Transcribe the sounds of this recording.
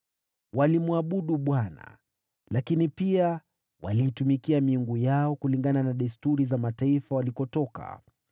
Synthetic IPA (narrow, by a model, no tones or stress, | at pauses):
walimuaɓuɗuɓwana̰ | lakinipia | wa̰liːtumikiamiuŋɡujaɔkuliŋɡananaɗɛstuɾizamataifawalikɔtɔka̰